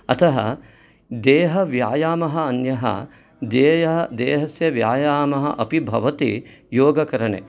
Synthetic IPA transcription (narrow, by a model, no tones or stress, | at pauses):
ɐt̪ʰɐɦɐ̰ | d̪eːɦɐʋjaːjaːmɐɦɐɐnjɐɦɐ̰ | d̪eːjɐɦɐd̪eːɦɐsjɐʋjaːjaːmɐɦɐ̰ʔɐpibʱɐʋɐt̪ḭ | joːɡɐkɐɾɐɳḛ